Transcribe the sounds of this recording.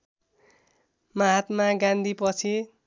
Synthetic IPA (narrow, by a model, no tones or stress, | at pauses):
maɦat̪maɡãnd̪ʱipʌt͡sʰi